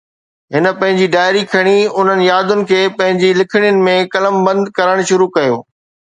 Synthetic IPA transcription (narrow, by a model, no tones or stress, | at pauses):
ɦɪnə̆pɐ̃ɦɪ̃ɲd͡ʑiɖaːɪɾikʰɐɽ̃iʊn̤ənɪ̆jaːd̪ʊnɪ̆kʰeːpɐ̃ɦɪ̃ɲd͡ʑilɪkʰɪɽ̃ɪjʊnɪ̆mẽkɐləmbɐ̃nd̪kɐɾəɽ̃ʃʊɾukɐjoː